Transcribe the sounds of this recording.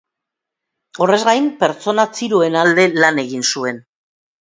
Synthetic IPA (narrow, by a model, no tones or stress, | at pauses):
o̞re̞zɣajmpe̞ɾt͡so̞nat͡siɾue̞nald̪e̞lane̞ɣinsue̞n